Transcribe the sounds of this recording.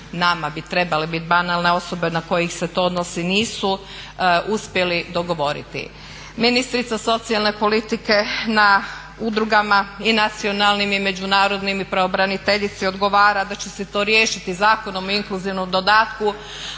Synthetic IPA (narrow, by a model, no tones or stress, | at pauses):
namabit̪ɾe̞balebit̪̚banalne̞o̞so̞be̞nako̞jixse̞t̪o̞ːod̪nosiniːsu | uspje̞lid̪o̞ɡo̞ʋo̞ɾḭt̪ḭ | minist̪ɾit̪saso̞t̪sijalˠne̞po̞lit̪ike̞na | ud̪ɾuɡamainat̪sio̞nalnimime̞d͡ʑunaːɾo̞d̪nimipɾaobɾanit̪e̞ʎit̪sio̞d̪ɡo̞ʋaːɾad̪at͡ɕeset̪o̞ɾje̞ːʃit̪izaːko̞no̞moiŋkluziʋnomd̪o̞d̪aːt̪ku